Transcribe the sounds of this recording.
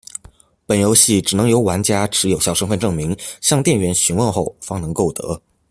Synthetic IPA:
pə˨˩njo˧˥ʊɕi˥˩ʈ͡ʂɻ̩˨˩nɤ˧˥ŋjo˧˥ʊwa˧˥nt͡ɕja˥ʈ͡ʂʰɻ̩˧˥jo˨˩ʊɕjɑ˥˩ʊʂɤ˥ŋfə˥˧nʈ͡ʂɤ˥˩ŋmi˧˥ŋɕjɑ˥˧ŋt̪jɛ˥˩nɥɛ˧˥nɕi˧˥nwə˥˧nxo˥˩ʊfɑ˥ŋnɤ˧˥ŋko˥˩ʊt̪ɤ̰˧˥

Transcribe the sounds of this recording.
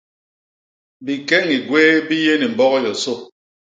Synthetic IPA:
bi˨kɛ˦ŋi˨ɡweː˦bi˦je˦ni˨m̩˨bɔ˦ɣɔ˦jɔ˨so˦˨

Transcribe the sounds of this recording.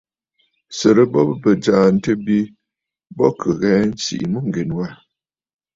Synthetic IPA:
sə˨ɾə˦bɔ˦bbə˨d͡ʒaː˨n̩˦tə˦bi˦ | bɔ̰˦kʰə˨ɣɛ˨˦n̩˦sḭ˨ʔmə˦ŋ̩˨ɡe˨nwa˦˨

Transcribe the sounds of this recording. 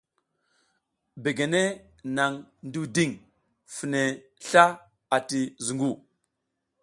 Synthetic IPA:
be˨ɡe˨ne˦ | na˨ŋndu˦di˦˨ŋ | fi˨ne˨ | ɬa˦ | a˨ti˨zu˨ŋɡu˦˨

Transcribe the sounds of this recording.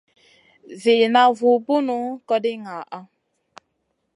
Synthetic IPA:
ve˨na˨vu˨bu˦nu˦kɔ˦dɪ˦ŋa˨ʔa˦

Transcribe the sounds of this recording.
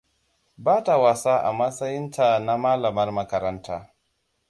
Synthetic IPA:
baː˦ta˨wa˨saː˦ʔa̰˨mɐ˦sɐ˦jɪ˦nta˨na˦maː˦lɐ˨mɐ˦rmɐ˦kɐ˦ɾɐ˦ntaː˦

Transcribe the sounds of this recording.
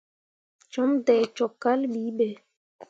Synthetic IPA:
t͡ʃɔ˦mtɛ˨t͡ʃɔ˨kːa˦lɓi˨˦ɓɛ˨

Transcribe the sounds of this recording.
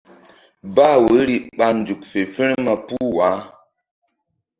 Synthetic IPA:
ba˦˨wə˨˦ɾi˨ɓa˨n˨du˨k̚fe˨fə˦n˦ma˨pu˦wa˨˦

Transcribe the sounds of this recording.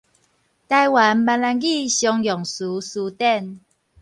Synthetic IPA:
t̪a˧jwa˨˦nba˧nla˧nɡi˥˨ɕjɔ˧ŋjɔ˨˩ŋsu˨˦su˧˦t̪ɛ˥˧˨n

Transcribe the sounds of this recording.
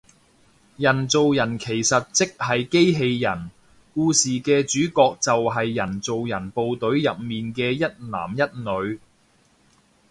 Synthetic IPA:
jɐ˨˩nt͡so˨wjɐ˨˩nkʰe˨˩jsɐ˨t̚t͡sɪ˥k̚hɐ˨jke˥jɦe˧jːɐ˨˩n | kuː˧siː˨kɛː˧t͡ʃyː˨˥kɔː˧k̚t͡sɐ˨wɦɐ˨jːɐ˨˩nt͡so˨wjɐ˨˩npo˨wt̪ɵ˨˥ɥjɐ˨p̚miː˨nkɛː˧jɐ˥t̚la̰ː˨˩mjɐ˥t̚nɵ˨˧ɥ

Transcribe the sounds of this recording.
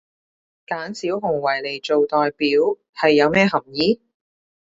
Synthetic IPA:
kaː˨˥nsiː˨˥wɦʊ˨˩ŋwɐ˨˩jle˨˩jt͡ʃo˨wt̪ɔː˨˧jpiː˨˥w | hɐ˨jːɐ˨˧wmɛː˥ɦɐ˨˩mjiː˨˥

